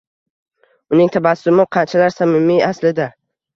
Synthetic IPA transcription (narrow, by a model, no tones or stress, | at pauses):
ʊnɪŋt̪ʰabasʊmɪqʰɑnt͡ʃʰalaɾsamɪmːiaslɪd̪a